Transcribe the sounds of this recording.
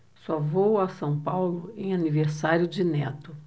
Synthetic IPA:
sɔvowasɐ̃w̃pawlʊẽj̃aniveɾsaɾjʊd͡ʒɪnɛt̪ʊ

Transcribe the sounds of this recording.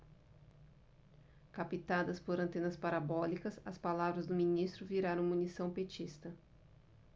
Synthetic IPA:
kapit̪ad̪ɐspoɾɐ̃nt̪ẽnɐspaɾabɔlikɐsɐspalavɾɐzd̪ʊminist̪ɾʊviɾaɾɐ̃w̃munisɐ̃w̃pet͡ʃist̪ɐ

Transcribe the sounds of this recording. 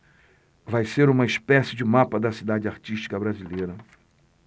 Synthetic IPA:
vajseɾũmɐispɛsɪd͡ʒɪmapɐd̪ɐsid̪ad͡ʒɪaɾt͡ʃiʃt͡ʃi̥kɐbɾazilejɾɐ

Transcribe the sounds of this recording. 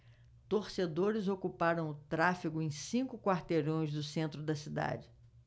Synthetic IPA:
t̪oɾsed̪oɾɪzokupaɾɐ̃w̃ʊt̪ɾafiɡʊẽj̃sĩkʊkwaɾt̪eɾõj̃zd̪ʊsẽnt̪ɾʊd̪ɐsid̪a̰d͡ʒɪ

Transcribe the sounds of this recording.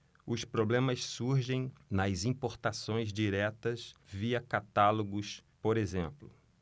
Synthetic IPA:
ʊspɾoblẽmɐssuɾʒẽj̃nɐzĩpoɾt̪asõj̃zd͡ʒiɾɛt̪ɐsviɐkat̪aloɡʊspoɾezẽmplʊ

